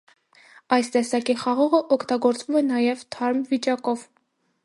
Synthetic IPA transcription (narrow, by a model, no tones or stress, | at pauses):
ɑjst̪ɛsɑkiχɑʁɔʁəʔɔkʰt̪ɑɡɔɾt͡svumɛnɑjɛvt̪ʰɑɾmvit͡ʃɑkɔv̥